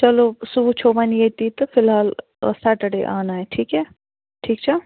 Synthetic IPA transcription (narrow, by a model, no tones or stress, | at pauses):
t͡ʃɐloːsubut͡ʃʰoːʋanjet̪it̪ofɪlɦaːl | saʈəɽḛʔa̰ːnaeʈʰiːkɦɛː | ʈʰiːkt͡ʃɐlo